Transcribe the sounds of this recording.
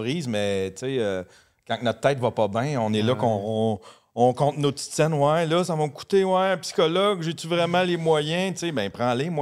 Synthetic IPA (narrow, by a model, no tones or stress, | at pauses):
ʁiːzmɛt͡seø | kãknɔt̪̚t̪ːɛɪt̪vɐpɔbɛ̃ɔ̃nɛlʌkɔ̃ | ɔ̃kɔ̃t̪not͡si̥t̪sɛnwɛlʌsavɔmku̥t̪ewɛpsi̥kɔlɔɡʒet̪yvʁɛmãlemwajɛ̃t̪t͡sebɛ̃pʁãlemw